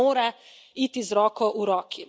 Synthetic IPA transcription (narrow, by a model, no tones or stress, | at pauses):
oːɾa | iːt̪izɾɔːkɔʔuɾɔːkʰi